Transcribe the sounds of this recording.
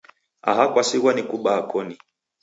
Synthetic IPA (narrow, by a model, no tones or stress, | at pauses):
a̰ɦakwasiɣwanikuɓaːkɔni